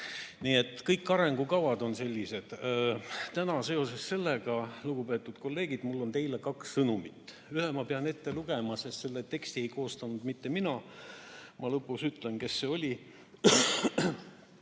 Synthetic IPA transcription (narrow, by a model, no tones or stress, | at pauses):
niːe̞t̪ːˑkɤjkːˑɑɾe̞ŋɡukɑwɑd̪o̞nse̞lʲːise̞d̪̥ | t̪ænɑse̞o̞se̞sːe̞lːeɡ̥ɑluɡ̥upe̞ːt̪ːˑud̪̥ko̞lːe̞ːɡ̥id̪̥mulːo̞nt̪e̞jlekɑkssɤnumit̪ːˑ | yhemɑpe̞ɑne̞t̪ːe̞luɡ̥e̞mɑse̞st̪se̞lːet̪e̞kst̪ie̞jko̞ːst̪ɑnud̪̥mit̪ːe̞minɑ | mʔɑlɤpːˑuksyt̪ˑle̞nke̞sːe̞o̞lʲi